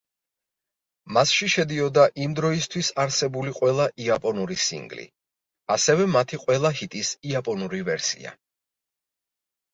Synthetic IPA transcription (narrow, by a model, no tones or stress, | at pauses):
masʃiʃɛd̪iɔd̪aʔimd̪ɾɔist̪ʰwisaɾsɛbuliqʼwɛlˠaʔiapʼɔnuɾisḭŋɡlḭ | asɛvɛmat̪ʰiqʼwɛlˠaɦit̪ʼisiapʼɔnuɾivɛɾsḭa̰